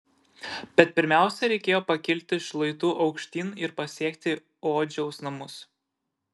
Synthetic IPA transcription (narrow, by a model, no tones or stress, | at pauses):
bʲɛt̪̚pʲɪɾʲmʲæˑʊsʲɛɾʲɛɪkʲeːjoːpɐkʲɪlʲt̪ʲɪʃlˠɐɪt̪uːʔɒʊkʃʲt̪ʲiːnɪɾpɐsʲiɛkt̪ʲɪ | oːd͡ʒʲɛʊsnɐmʊs